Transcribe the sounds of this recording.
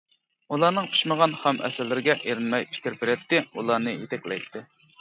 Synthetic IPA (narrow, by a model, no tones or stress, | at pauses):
ulˠɑnɨŋpʰy̥ʃməʁɑnχæmɛ̰sɪlːɪɾɪɡʲɛʔeɾɪnmɛjpʰi̥kʲɪɾbeɾɛt̪ːɪulˠɑnɨjet̪ʰɛkʲlɛ̰jt̪ʰːɪ